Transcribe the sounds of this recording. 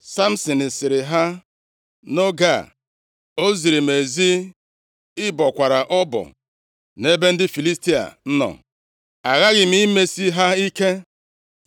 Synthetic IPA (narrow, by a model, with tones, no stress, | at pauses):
sa˦m̩˦sɔ˨n̩˨sɪ˨ɾɪ˨ɦa˦ | no˦ɡa˨ | o˦zi˨ɾi˨me˨zi˦ | ɪ˦bɔ˨kʷa˨ɾa˨ʔɔ˦bɔ̰˨ | ne˦be˦n̩˦dɪ˦fi˨li˦sti˦a̰˨n̩˦nɔ̰˨ | a˨ɣa˦ɣɪ˨m̩˦i˦me˦si˦ɦa˦i˦ke˦